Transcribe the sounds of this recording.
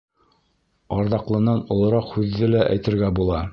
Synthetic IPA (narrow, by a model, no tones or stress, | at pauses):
ɑɾðɑqlˠɤ̆nɑnŏlˠɤ̆ɾɑqhʉðːɘlæʔæ̰jt̪ɘ̆ɾɡæbulˠɑ